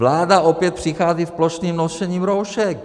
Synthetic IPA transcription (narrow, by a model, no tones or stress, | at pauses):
laːdaʔopjɛt̪̚pr̥ɪxaːzifploʃniːmnoʃɛɲiːmɾowʃɛk